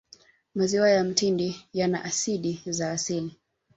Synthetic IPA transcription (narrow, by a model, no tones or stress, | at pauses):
maziwajam̩tindijana̰ʔasiɗizaːsili